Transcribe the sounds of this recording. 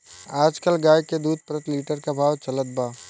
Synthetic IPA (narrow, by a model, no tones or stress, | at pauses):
aːd͡ʒkəlɡaːjked̪uːd̪̚ʱpɾət̪liːʈəɾkabʱaːʋt͡ʃɐlət̪̚baː